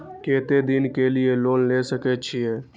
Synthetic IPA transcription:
ket̪ed̪inkelielonlesəkɛt͡ʃʰijɛ

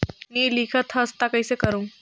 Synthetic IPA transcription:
nilikʰət̪ʰhəst̪akəjsekəɾuŋ

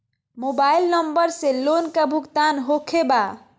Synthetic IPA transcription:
mobailnʌmbəɾselonkabʱukt̪anɦokʰeba

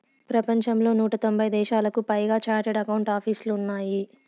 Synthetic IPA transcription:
pɾɐpɐɲt͡ʃɐmlo̞ːnuːʈɐt̪o̞mbʱɐjd̪ɛːʃaːlɐkupɐjɡaːt͡ʃaːʈɐɽɐkɐwɳʈaːpʰiːsluːnːaːji

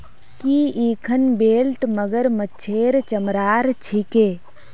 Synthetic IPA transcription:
kiːiːkʰənbeːlʈməɡəɾmətːt͡ʃʰeːɾt͡ʃəmɾaːɾt͡ʃʰikeː

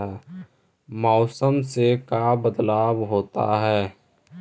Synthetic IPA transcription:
ɛː | mɔːsəmsekabəd̪laːbɦoːt̪a̰ɦɛː

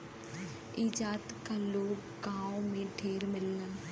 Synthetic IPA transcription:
ɪd͡ʒaːt̪kaloːɡ | ɡãːõmẽɖʱʰeːɾmɪlːə

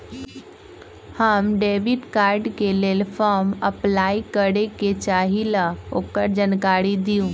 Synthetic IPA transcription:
həmɖeʋiɖkaːɾɖkelelfʰɔɾməplaːikəɾeket͡ʃaːɦilaoːkəɾd͡ʒənkaːɾid̪ijũ

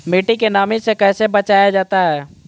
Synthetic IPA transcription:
miʈikenaːmisekɛːsebət͡ʃaːjad͡ʒaːt̪aɦɛː

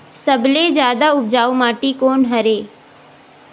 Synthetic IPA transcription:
səbleːzjaːd̪aʊb̚d͡ʒaːumaːʈikoːnɦəɾeː

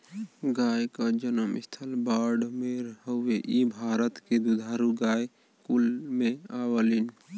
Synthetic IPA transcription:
ɡajkad͡ʒənəmḭst̪ʰəlbaːɾɖmeɾɦəʊːeʔibʱaːɾət̪ked̪ud̪ʱaːɾuɡaj | kulmeawəlin

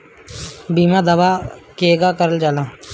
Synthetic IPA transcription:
biːmãd̪əʋaːkeːɡakəɾəld͡ʒaːlãː

